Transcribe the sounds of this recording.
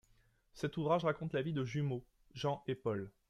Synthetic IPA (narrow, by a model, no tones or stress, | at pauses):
sɛt̪uvʁaʒʁakɔ̃t̪lavid̪əʒymo | ʒɑ̃ʔepɔl